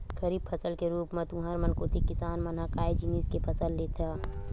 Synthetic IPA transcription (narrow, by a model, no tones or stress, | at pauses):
kəɾiːb̚pʰɐsəlkeɾuːpmɐt̪ũːɦəɾmɐnkoːt̪ikɪsaːnmɐnakaːjd͡ʒiniːskepʰɐsəlːet̪ʰaː